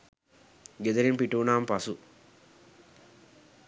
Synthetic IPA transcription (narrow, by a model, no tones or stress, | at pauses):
ɡed̪ɐɾimpiʈuːnaːmpɐsu